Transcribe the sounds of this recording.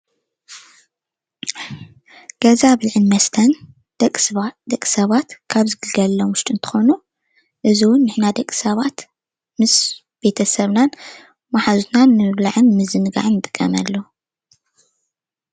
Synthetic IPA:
ɡ̥ɐzaβliʕɨnmɐst̪ʰɐn | kʼd̪ɐkʼːi̥sɐβat̪kʰaβzɨɡɨlɡɐlːomwʊʃt̪ʼiɨnt̪ʰɨ̥xo̞nu | ʔɨziwʊnːɨħnad̪ɐkʼːisɐβat̪ | mɨs | b̥e̞t̪ʰɐsɐβnan | maħaznanːɨɨβlaʕɨnmɨzɨnɡa̰ʕnːɨt̪ʼɨ̥kʼːɐmɐlːo

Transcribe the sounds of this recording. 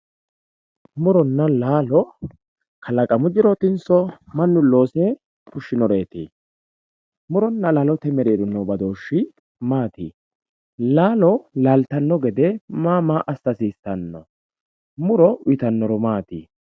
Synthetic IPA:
mʊɾɔnːɐlaːlɔ | kʰɐlɐkʼɐmʊd͡ʒɪɾɔt̪ɪnsɔmɐnːʊlo̞ːse | kʊʃːɪnɔɾeːt̪ḛː | mʊɾɔnːɐlaːlɔt̪ɛmɛɾeːd̪ʊnːɔbɐd̪oːʃːɪ | maːt̪i | laːlɔlalt̪ɐnːɔɡɛd̪ɛmaːmaʔɐst̪ɐsiːst̪ːɐnːɔ̰ | mʊɾɔʊɪt̪ɐnːɔɾɔmaːt̪ḭː

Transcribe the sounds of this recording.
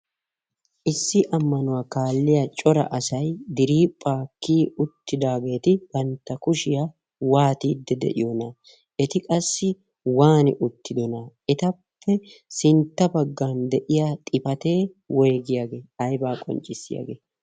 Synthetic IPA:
ʔɪsːɪʔɐmːɐnʊwaːkaːlːɪjɐt͡ʃʼɔɾɐ̰ʔɐsɐjd̪ɪɾiːpʼːaːkːiːʊt̪ːɪd̪aːɡe̞ːt̪ɪɡɐnt̪ːɐkʊʃɪjɐ | waːt̪iːd̪ːɛd̪ɛ̰ʔɪ̰jɔnɐ | ʔɛt̪ɪkʼɐsːɪ | waːnɪ̰ʔʊt̪ːɪd̪ɔnaʔɛt̪ɐpʰːɛsɪnt̪ːɐbɐɡːaːnd̪ɛʔɪjat̪ʼɪpɐt̪e̞ː | wɛjɡɪjaɡeːɐjbaːkʼɔ̰nt͡ʃʼɪsːɪ̰jɐ̰ɡeː

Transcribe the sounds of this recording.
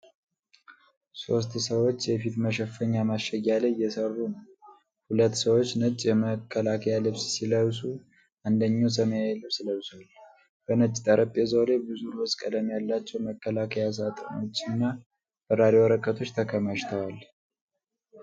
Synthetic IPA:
so̞s̬t̪səwo̞t͡ʃːjɛfit̪məʃɛfəɲːamaʃɛjaləjːɛsərːunəw | hulət̪ːsəwo̞t͡ʃːnət͡ʃʼjɛməkʰːəlakʰəjalɨβssiləwsu | ʔand̪əɲːaws̬əməjaɛlɨβsɨləwswal | b̥ənət͡ʃʼːt̪ʼəɾəpʼːezo̞lebɨzuɾɔskʼəd̪əmjalːat͡ʃːɛwməkːəlakʰəjas̬at̪ʼə̰no̞t͡ʃːɪnːa | b̥əɾaɾewəɾəkʼət̪ʰo̞t͡ʃːt̪ʰəkʰəməʃt̪ʰəwal

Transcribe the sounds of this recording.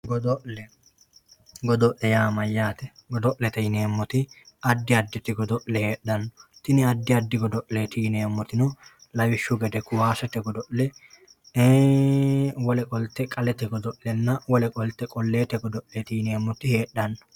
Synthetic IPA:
ɡɔd̪ɔʔlɛ | ɡɔd̪ɔʔlːɛjaːmɐjːaːt̪ɛɡɔd̪ɔʔlɛt̪ɛjɪne̞ːmːɔt̪ɪ | ɐd̪ːɪɐd̪ːɛt̪ɪɡɔd̪ɔʔlɛhe̞ːɗːɐnːɔt̪ɪnɪɐd̪ːɪɐd̪ːɪɡɔd̪ɔʔleːt̪ɪjɪneːmːɔt̪ɪnɔlɐwɪʃːʊɡɛd̪ɛkʊwaːsɛt̪ɛɡɔd̪ɔʔlɛ | wɔlɛkʼɔlt̪ːɛkʼɐlɛt̪ɛɡɔd̪ɔʔlɛnːɐwɔlɛkʼɔlt̪ːɛkʼɔlːeːt̪ɛɡɔd̪ɔʔlɛt̪ɪjɪneːmːɔt̪ɪhe̞ːɗɐnːɔ̥

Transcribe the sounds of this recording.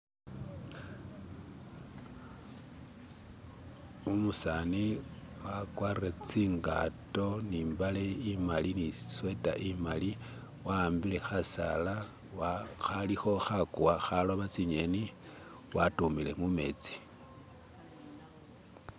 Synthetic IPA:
umusani | wakwaret͡siːŋɡato̞niːmbale̞imalinisweta̰ʔimali | waːmbile̞xasala | axalixo̞xakuwaxalo̞βat͡siɲe̞ni | watumile̞mume̞̰t͡si̥

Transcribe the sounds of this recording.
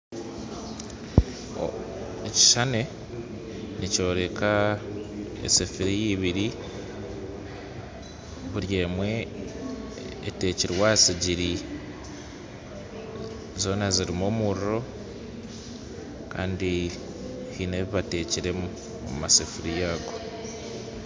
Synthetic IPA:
eci̥ʃane̞ | nico̞ːɾe̞ka | ḛsefiɾijiβiɾi | βuɾjeːmwe̞ | te̞ːciɾwasiɟiɾi | zo̞ːnaziɾimoːmuɾiɾo̞ | kaːndi | hineβiβate̞ːciɾe̞mu | o̰mmasefiɾijaːɡo̞

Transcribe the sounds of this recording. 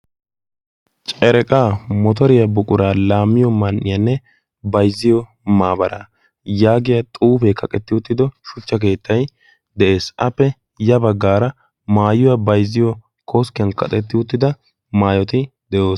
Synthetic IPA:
t͡ʃʼɛɾɛkʼaːmɔt̪̬ɔɾɪjɐbʊkʼʊɾaːlaːmːɪjɔmɐnʔːɪjɐnːɛ | bɐjzːɪjɔ | maːbɐɾa | jaːɡɪjɐt̪ʼuːfɛkɐkʼɛt̪ːɪʊt̪ːɪd̪ɔʃʊt͡ʃːɐk̬e̞ːt̪ːɐj | d̪ɛʔe̞ːsɐpːɛ | jɐbɐɡːaːɾɐ | maːjʊwɐbɐjzːɪjɔ | kʰoːskɪjɐnkɐ̰t̪ʼɛt̪ːɪʊt̪ːɪd̪ɐ | maːjɔt̪ɪd̪ɛʔo̞ːs

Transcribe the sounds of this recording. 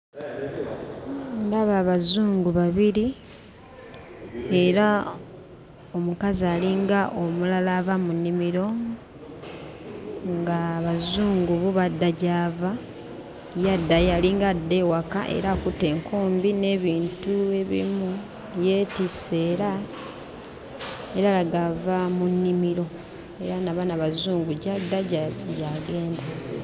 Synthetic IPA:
ŋɡaβaβazuːŋɡuβaβiɾi | e̞ɾa | o̞mukaziaːliŋɡaʔo̞mulalaːβamunːimiɾo̞ | ŋɡaβazuːŋɡuβuβadːaɟaːva | jadːajaliŋɡadːe̞waka̰ʔe̞̰ɾakutːe̞ŋkʰuːmbine̞βiːntue̞βḭmu | je̞ːtise̞ːɾa | e̞ɾalaɡavamunːimiɾo̞ | e̞ɾanaβanaβazuːŋɡuɟadːaɟɟaɡe̞ːnda

